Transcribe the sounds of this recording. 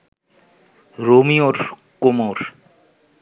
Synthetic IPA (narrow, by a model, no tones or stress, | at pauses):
ɾomioɾkomoɾ